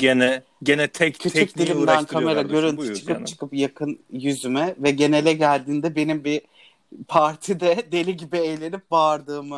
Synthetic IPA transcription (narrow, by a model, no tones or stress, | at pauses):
ɟenɛ | ɟenɛt̪ʰɛcʰytʰt͡ʃyc̚d̪illʲimd̪ænkʰame̞ɾaɟøɾynt͡ʃɯ̥kɯpt͡ʃʰɯ̥kʰɯpjakʰɯnjyzymɛvɛɟe̞ne̞lʲɛɟælʲd̪iːnd̪ɛbe̞nimbi | pʰaɾt̪ʰid̪ɛd̪e̞lʲiɟibiejlʲe̞nip̚baɾd̪ɯːmɯ